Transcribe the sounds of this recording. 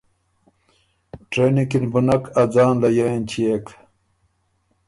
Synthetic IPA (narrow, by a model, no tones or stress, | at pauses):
ʈɾenikinbunɐkʰɐd͡zaːnlɐjant͡ɕiek